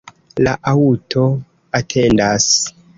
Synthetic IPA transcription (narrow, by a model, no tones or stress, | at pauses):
laʔautʰo̞ | atʰe̞ndas